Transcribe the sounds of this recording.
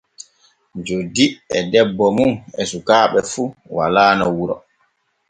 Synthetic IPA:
d͡ʒodiɛdɛbːɔmuŋɛsukaːɓɛfuwa̰laːnawuɾɔ

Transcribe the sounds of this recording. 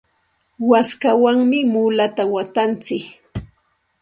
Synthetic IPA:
waskawaŋmɪmulat̪awat̪ant͡sɪk

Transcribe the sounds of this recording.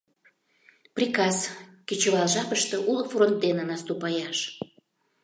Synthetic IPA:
prʲikɑskit͡ɕəβɑlʒɑpəʃt̪ə̆ʔulfront̪̚d̪enənɑst̪upɑjɑʃ

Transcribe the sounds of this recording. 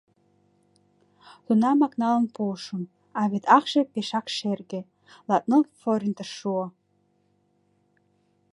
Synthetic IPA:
t̪unɑmɑknɑlə̆npolʃum | ɑβet̪ɑχʃĕpeʃɑkʃerɡe | lˠɑt̪̚nɤlfoɾʲint̪əʃuo

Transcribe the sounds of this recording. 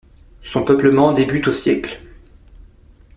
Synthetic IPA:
sɔ̃pœpləmɑ̃d̪ebyt̪osjɛkl

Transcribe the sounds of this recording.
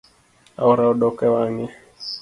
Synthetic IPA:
a̰uɾaɔɗɔkɛwaŋɛ

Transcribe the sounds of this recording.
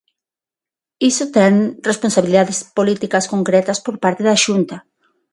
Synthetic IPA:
isot̪ɛŋresponsaβiliðaðespolit̪ikɐskoŋkɾɛt̪ɐspoɾpaɾt̪eðaʃunt̪a

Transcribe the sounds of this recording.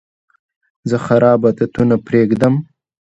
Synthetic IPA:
zəxaɾɑːbat̪at̪unapɾeːɡd̪əm

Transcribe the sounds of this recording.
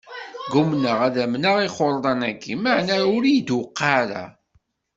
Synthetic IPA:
ɡumnəʁæðæmnaʁiχoɾˤðˤɑnækːimaʕnæʊɾijd̪wəqːaɾæ̰

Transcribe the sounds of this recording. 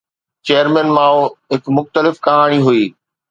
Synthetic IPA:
t͡ɕeːəɾmɛ̃nmãːoɦɪkmʊxt̪əlɪfkɐɦaːɽ̃iɦuiː

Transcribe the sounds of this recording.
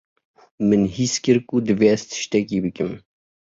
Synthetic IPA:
mɨnhiskɨɾkud̪ɨveːɛst̪ʰɨ̥ʃt̪ɛkiːbɨkɨm

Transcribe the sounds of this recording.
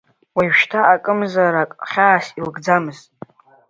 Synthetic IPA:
wajɥʃtʰaːkʼɨmzaɾakʼχʲaːsilɡd͡zamɨztʼ

